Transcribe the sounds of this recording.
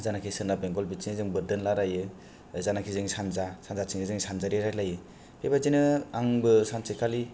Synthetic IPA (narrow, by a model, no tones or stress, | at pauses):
zanakʰisɯnabeŋɡɔlbit͡ʃiŋizɯŋbɯɾdɯnlaɾajɯ | zanakʰizɯŋsanzasanzat͡ʃʰiŋɯzɯŋsanzaɾiɾaklajɯ | pʰebazinɯaŋbɯsansɯkʰali